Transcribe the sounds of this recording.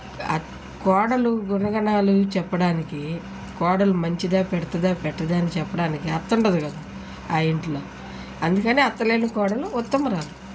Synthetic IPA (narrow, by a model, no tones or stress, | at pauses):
ɐ̰ | kɔːɽɐluɡuɾɐɡɐɳaːlut͡ʃɛpːɐɽaːniki | kɔːɽɐlumɐɲt͡ʃid̪aːpɛɽɐt̪ɐd̪aːpɛʈːɐd̪aːnit͡ʃɛpːɐɽaːnikiɐɾt̪uɳʈɐd̪ukɐd̪aː | aːiɳʈloː | ɐnd̪ukɐniːɐt̪ːɐleːnukɔːɽɐluɔt̪ːɐmɾaːlu